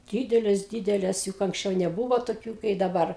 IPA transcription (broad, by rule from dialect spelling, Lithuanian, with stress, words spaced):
ˈdʲiːdʲɛlʲeːs ˈdʲiːdʲɛlʲeːs jʊk ɐŋksʲˈt͡ʃʲɛʊ nʲɛˈbuːʋoː toːˈkʲuː kɐɪ dɐˈbɐr